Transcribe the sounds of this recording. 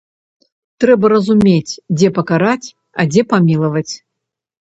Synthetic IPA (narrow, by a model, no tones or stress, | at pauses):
t̪ɾɛbɐɾɐzumʲet͡sʲd͡zʲɛpɐkaɾat͡sʲ | ɐd͡zʲɛpamʲilˠɐvɐt͡sʲ